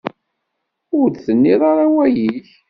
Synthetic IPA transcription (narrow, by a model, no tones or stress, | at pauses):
ʊɾθənːiðˤaɾawæjiç